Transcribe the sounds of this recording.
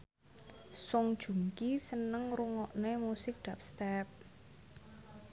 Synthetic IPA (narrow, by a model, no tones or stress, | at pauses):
sʊŋd̥ʒ̥ṳŋkisənəŋruŋɔʔnemusɪk̚ɖ̥ap̚st̪ɛp̚